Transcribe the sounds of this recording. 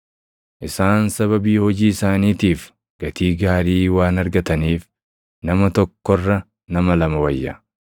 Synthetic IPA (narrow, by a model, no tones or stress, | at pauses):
ʔɪsaːnsɐβɐbiːhɔd͡ʒiːɪsaːniːt̪iːf | ɡ̥ɐt̪iːɡaːɾiːwaːnɐɾɡɐt̪ɐniːf | nɐmɐt̪ɔkːɔrːɐ | nɐmɐlɐmɐwɐjːɐ̰